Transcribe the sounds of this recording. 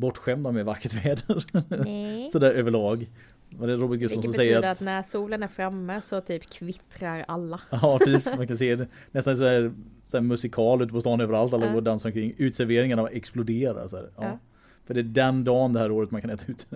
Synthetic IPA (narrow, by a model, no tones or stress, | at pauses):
bɔʈːɧɛmd̪amɛvakːəʈvɛːd̪əɾ | sɔd̪æːɾʔøːvəɭɑːɡ | ɔd̪ɛɾobət̪̚ɡɵtɔnsɔmsɛjjːəɾat̪att̪næɾsuːlənæɾfɾamːəsɔt̪ʰyːpkʰvɪt̪ɾaɾalːaɑpʰɾɛsiːsmankʰanseːd̪ɛ | nɛst̪anɛs̬ɔd̪æɾsæːɾmɵsɪkʰɑːlʉ̟t̪əpʰɔst̪ɑːnøːvəɾalt̪alːaod̪ansaɾɔŋkʰɾɪŋːʉ̟ːt̪sæɾveːɾɪŋanaɛksplʊd̪eːɾa̰sd̪æːɾɑ | fœɖɛæɖɛnd̪ɑːnd̪ɛhæːɾoːɾət̪mankʰanɛːt̪aʉ̟ːt̪